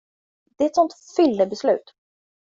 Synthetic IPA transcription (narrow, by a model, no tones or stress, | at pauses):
d̪ɛɛɾɛt̪sɔnt̪fʏlːəbɛslʉ̟̰ːt̪